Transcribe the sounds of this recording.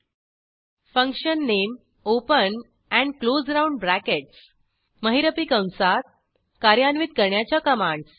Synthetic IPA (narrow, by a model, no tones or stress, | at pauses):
fə̃ŋkɕənːem | opən | æ̃ɳɖklod͡zɾauɳɖbɾækeʈs | məɦiɾəpikə̃w̃sat̪̚ | kaɾjanʋit̪̚kəɾɳjat͡ɕjakəmãɳɖs